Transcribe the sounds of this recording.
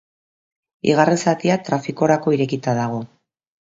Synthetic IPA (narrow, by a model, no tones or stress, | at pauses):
ḭɣ̞arensat̪iat̪ɾafiko̞ɾako̞iɾe̞kit̪aðaɣ̞o̞